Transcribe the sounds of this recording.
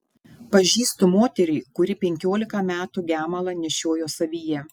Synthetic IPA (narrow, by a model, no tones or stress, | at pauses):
pɐʒʲiːst̪ʊmoːt̪ʲɛɾʲɛɪkʊɾʲɪpʲɛŋʲkʲoːlʲɪkɐmʲæːt̪uɡʲæːmɐlˠɐnʲɛʃʲoːjoːsɐʋʲiːjɛ